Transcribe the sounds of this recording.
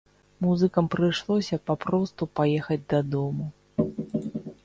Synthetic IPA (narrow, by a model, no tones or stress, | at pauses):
muzɨkɐmpɾɨjʂlˠɔsʲɐpapɾɔst̪upajɛxɐd͡zʲd̪ɐd̪ɔmu